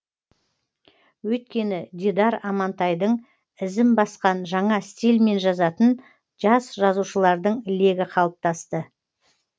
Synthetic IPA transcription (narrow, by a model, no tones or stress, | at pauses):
wɵjt̪̚kʲe̞nɪd̪ʲid̪ɑɾɑmɑnt̪ɑjd̪əɴ | ɪzɪmbɑsqɑnʒɑɴɑst̪ʲilʲme̞nʒɑzɑt̪ən | ʒɑsʒɑzuʃəlˠɑɾd̪əɴle̞ɡʲɪqʰɑlˠəp̚t̪ɑst̪ə